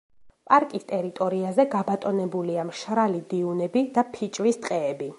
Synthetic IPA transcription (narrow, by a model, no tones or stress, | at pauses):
pʼaɾkʼist̪ʼɛɾit̪ʼɔɾiazɛɡabat̪ʼɔnɛbuliamʃɾalid̪iunɛbid̪apʰit͡ʃʼvist̪ʼqʼɛːbi